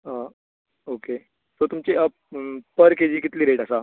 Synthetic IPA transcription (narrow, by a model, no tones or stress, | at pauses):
ɦa | oke | sot̪umt͡ɕeəp̚pəɾked͡ʑiːkit̪liːɾeʈəsa